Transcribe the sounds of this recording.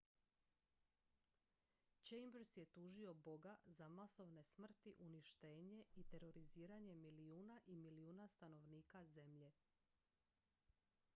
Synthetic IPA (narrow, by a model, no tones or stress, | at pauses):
t͡ʃejmbɾsje̞t̪uːʒio̞bo̞ɡazamaso̞ʋne̞smr̩t̪iʔuniʃt̪e̞ːɲe̞it̪e̞ɾo̞ɾiziːɾaɲe̞miliuːnaʔimiliuːnast̪ano̞ʋniːkaze̞mʎe̞